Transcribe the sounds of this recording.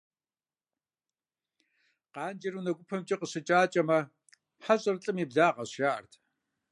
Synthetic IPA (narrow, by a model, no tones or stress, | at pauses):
qɑːnd͡ʒɐɾunɐɡʷʊpʰɐmt͡ʃʼɐqəɕɪt͡ʃʼaːt͡ʃʼɐmɐ | ħaɕʼɐrɨɬʼɨmiːbɮaːqɐɕjaːʔɐ̰rtʰ